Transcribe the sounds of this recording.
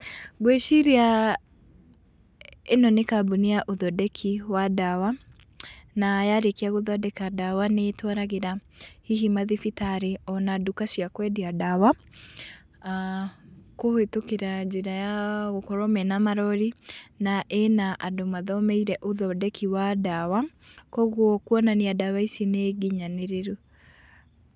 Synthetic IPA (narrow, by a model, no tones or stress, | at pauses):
ɣweʃiɾea | enɔnekaboniaʔoðɔdɛkʰiwadawa | najaɾekeaɣoðɔdɛkadawanetwaɾaɣeɾahiɦimaðifitaɾeɔnadukasiakwɛdiadawa | kohetokeɾad͡ʒeɾajaɣokɔɾɔmɛnamaɾɔɾinaʔenaʔadomaðɔmɛiɾɛʔoðɔdɛkʰiwadawa | kɔɣwɔkwɔnaneadawaisineɡiɲaneɾeɾu